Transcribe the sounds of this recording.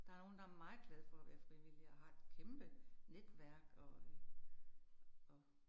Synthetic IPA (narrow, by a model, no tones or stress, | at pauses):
d̥ɑ̈æɐo̝ːn̩d̥ɑ̈æɐmɑ̈ð̩ˠɡ̥lɛð̞̩ˠfɒ̽æʋæːɐfʁiʋiliɒhɑ̈e̝d̥kʰemb̥əned̥ʋæɐ̰ɡ̥ɒ̽ | ɒ